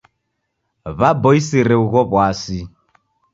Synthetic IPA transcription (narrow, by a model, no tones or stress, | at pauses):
βabɔisiɾɛuɣɔβwasi